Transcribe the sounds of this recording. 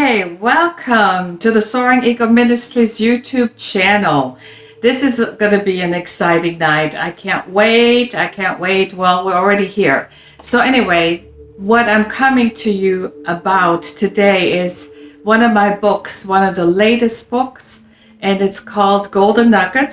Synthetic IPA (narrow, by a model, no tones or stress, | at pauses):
eɪwɛlˠkʰʌ̃mtʰɨðɨsɔɹɪ̃ŋikoʊmɪ̃nɨstɹ̥izjʉtʰʉb̚t͡ʃʰænl̩ˠ | ðɪsɨzɡʌnɨbiɨ̃nɨksaɪɾɪ̃ŋnaɪɾa̰ɪkʰæ̃nʔweɪɾaɪkʰæ̃nʔweɪt̚wɛlˠwɪɹl̩ˠɹɛɾihiɹ | soʊɛñiweɪ | wʌɾãɪ̃mkʰʌmɪ̃ŋtʰɨjɨʔəbaʊtʰɨdeɪɪz̥wʌ̃nʌvmaɪbʊkswʌ̃nʌvðəleɪɾɨstb̥ʊks | ʔɨ̃nɨtskʰɔlˠd̚ɡoʊlˠdⁿn̩ːʌɡə